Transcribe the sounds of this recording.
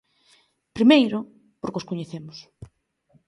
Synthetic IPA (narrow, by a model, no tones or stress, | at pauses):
pɾimejɾʊ | poɾkoskoɲeθemʊs